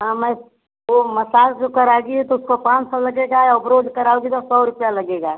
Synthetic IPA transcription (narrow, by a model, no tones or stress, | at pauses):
ɦãːmɛ̃ | omɐsaːkd͡ʒokɐɾaːɡiɛt̪oʊskopãːt͡ʃsalɐɡeːɡajaʊbɾoːd͡ʒ̪kɐɾaːoɡit̪osɔːɾʊpjalɐɡeːɡaː